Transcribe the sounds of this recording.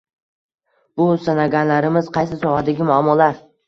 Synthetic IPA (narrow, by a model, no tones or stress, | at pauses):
b̥ʊsanaɡʲanlaɾɪmɪz̥qɑjsɪsɒhad̪aɡʲɪmʊamːɒlaɾ